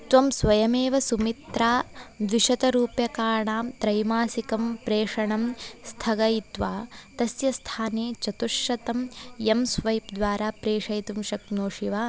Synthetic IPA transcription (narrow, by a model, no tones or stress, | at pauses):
t̪ʋɐmsʋɐjɐmeːʋɐsumit̪ɾaːd̪ʋiʃɐt̪ɐɾuːpjɐkaːɾɳaːmt̪ɾɐjmaːsikɐmpɾeːʂɐɳɐmst̪ʰɐɡɐjit̪ʋaːt̪ɐsjɐst̪ʰaːneːt͡ʃɐt̪uʃjɐt̪ɐmemsʋɐjpd̪ʋaːɾaːpɾeːʂɐjt̪umʃɐknoːʂiʋaː